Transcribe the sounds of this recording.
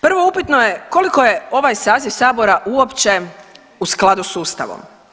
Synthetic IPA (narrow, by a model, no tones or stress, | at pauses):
pr̩ʋo̞upit̪nojeko̞liko̞jeo̞ʋajsaːziʋsaːbo̞ɾaʔuo̞pt͡ɕe̞ | usklˠad̪usuːst̪a̰ʋo̰m